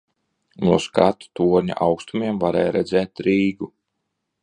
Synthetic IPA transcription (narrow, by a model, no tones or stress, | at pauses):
nuskat̪u̥t̪uɔɾɲa̰ʔawkst̪umiɛmvaɾɛːjɾɛd̪zɛːt̪ɾiːɡu